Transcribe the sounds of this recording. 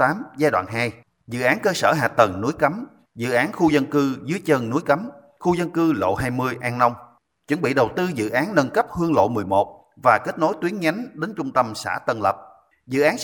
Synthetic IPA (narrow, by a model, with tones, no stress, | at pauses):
t̪aː˨˦mzaː˧jɗwa̰ː˧˨nɦaː˧j | zɨ̰˧˨ʔaː˨˦nkəː˧səː˧˩ɦaː˨˩t̪ə˨˩ŋnu˨˦jkə˨˦m | zɨ̰˧˨ʔaː˨˦nxu˧zə˧nkɨ˧zɨ˨˦əjt͡ɕə˧nnu˨˦jka˨˦m | xu˧zə˧nkɨ˧lo̰˧˨ɦaː˧jmɨ˧əjʔaː˧ŋna˧wŋ͡m | t͡ɕwə˧˩nɓḭ˧˨ɗə˨˩wt̪ɨ˧zɨ̰˧˨ʔaː˨˦nnə˧nkə˦˥p̚hɨ˧əŋlo̰˧˨mɨ˨˩əjmo˨˩t̚ | vaː˨˩ke˦˥t̚no˨˦jt̪wi˨˦ənɲa˨˦jŋɗe˨˦nt͡ɕʊ˧ŋ͡mt̪ə˧msa̰ː˧˩t̪ə˧nlə˨˩p̚ | zɨ̰˧˨ʔaː˨˦n